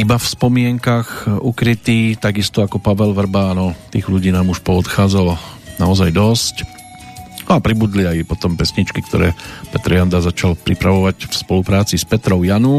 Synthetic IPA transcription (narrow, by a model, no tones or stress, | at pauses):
ibafspɔmɪɛŋkaxukɾit̪iːt̪aɡist̪ɔakɔpaʋɛlʋr̩baːnɔt̪iːɣʎuɟiːnaːmuʃpɔɔt̪xaːd͡zalnaɔzajd̪ɔsc | nɔapɾibuːd̪liajpɔt̪ɔmpɛsɲit͡ʃkikt̪ɔ̰ɾɛ̰ːpɛt̪ɾjand̪azat͡ʃalpɾipɾaʋɔʋacfspɔlupɾaːt͡sispɛt̪ɾɔʊjanu